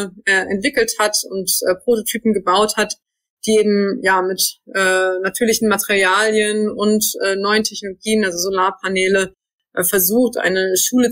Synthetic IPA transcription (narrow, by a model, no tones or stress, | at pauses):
ʔɛːʔɛ̰ntv̥ɪkl̩thatʊntʔɛːpʁ̥ototʰyːpm̩ɡəbaʊthat | d̥iːeːbm̩jaːmɪtʔɛːnatʰyːɐlɪçn̩matʰeʁiaːljənʊntʔɛːnɔʏəntʰɛçnoloɡiːənʔalzozolaːɐpʰanɛːlə | ʔɛfɛɐzuːxtʔa̰ɪnəʃuːlə